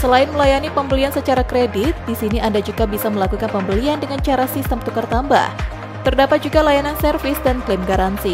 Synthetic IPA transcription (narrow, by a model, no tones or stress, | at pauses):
səlaɪnməlajanipəmbəliansət͡ʃaɾakɾedɪt̪̚disiniʔandad͡ʒuɡabisaməlakukanpəmbəliandəŋant͡ʃaɾasist̪əmt̪ukart̪amba̰h | t̪ərdapat̪̚d͡ʒuɡalajanansɛrfɪsdanklɪmɡaɾansi